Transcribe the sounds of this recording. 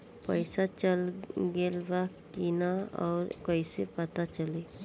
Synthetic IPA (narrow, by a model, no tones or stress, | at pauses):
pəjsat͡ʃəlɡelba | kinaɔ̰ːɾkəjsepət̪at͡ʃəle